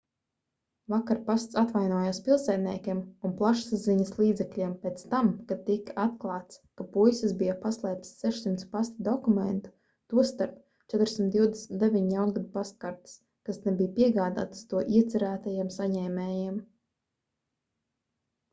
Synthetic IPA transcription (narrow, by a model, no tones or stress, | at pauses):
vakaɾpast̪sat̪vajnuɔjaːspʲilˠsɛd̪nʲiɛkʲiɛmunplˠaʃszziɲɐslˠiːd̪zɛklʲiɛmpɛt̪st̪amkat̪ːikat̪klˠɑːt̪skapujsisbijapaslˠɛjp̚t̪ssɛʃsimt̪spast̪d̪ɔkumɛ̰nt̪u̥ | t̪uɔst̪aɾp | t͡ʃɛt̪ɾsʲim̩t̪d̪iwd̪esmt̪d̪evʲiɲjawnɡad̪past̪̚kaɾt̪i̥s | kasnɛbijpiɛɡaːd̪a̰ːt̪st̪uɔʔiɛt̪sʲɛɾæːt̪ajiɛmsaɲɛːmʲɛːjiɛm